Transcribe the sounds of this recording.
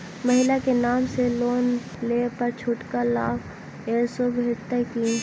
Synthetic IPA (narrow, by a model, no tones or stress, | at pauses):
mɐɦɪlakenaːmseloːn | leːpɐɾt͡ʃʰʊʈkalaːɡ | eːɾsobʱeːʈt̪əkiː